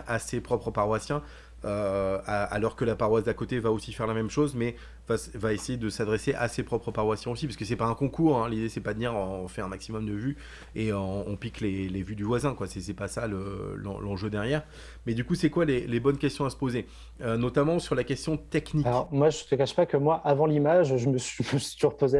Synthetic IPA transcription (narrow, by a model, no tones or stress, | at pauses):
asepχɔpχəpaʁwasjɛ̃ | øaa̰lɔʁkəlapaʁwasd̪akot̪evaosifɛʁlamɛmʃozmɛ | vasvaesejed̪əsad̪ʁeseʔa̰sepχɔpχəpaʁwasjɛ̃osipasə̥kəs̬ɛpaɛ̃kɔ̃kuʁɛ̃lid̪esɛpad̪əd̪iʁɔ̃ɔ̃fɛɛ̃maksimɔmd̪əvy | eøɔ̃ɔ̃piklelevyd̪yvwazɛ̃kwasɛsɛpasaləlɑ̰̃lɑ̃ʒød̪ɛʁjɛːʁ | mɛd̪ykusɛkwalelebɔnkʲɛst̪jɔ̃asə̥poze | ønɔt̪amɑ̃syʁlakʲɛst̪jɔ̃t̪ɛknialɔʁmwaʒət̪əkaʃpakəmwaʔavɑ̃limaʒʒəməsɥimʒst̪uʒuʁpoze